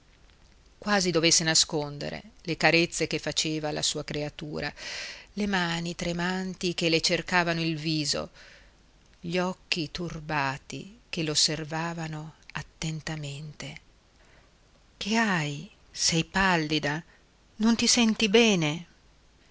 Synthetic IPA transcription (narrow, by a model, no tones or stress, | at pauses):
kwaːzid̪ovesːenaskond̪ḛɾḛlekaɾet̪sːekefːat͡ʃeːvala̰suːakɾeat̪uːɾa̰lemaːnit̪ɾemant̪ik̟elet͡ʃerkaːvanoilviːzo̰ | ʎɔkːit̪urbaːt̪ḭk̟elosːervaːvanoat̪ːent̪ament̪e | kʰeaj | sɛjpalːid̪a | nont̪isɛnt̪ibɛːne